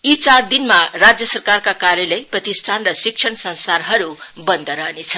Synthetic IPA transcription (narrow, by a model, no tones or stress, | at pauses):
it͡sard̪inmarad͡zjʌsʌrkarkakaɾjʌlʌjprʌt̪isʈʰanrʌsiksʰʌɳsʌnst̪arɦʌɾubʌnd̪ʌɾʌɦnet͡sʰʌ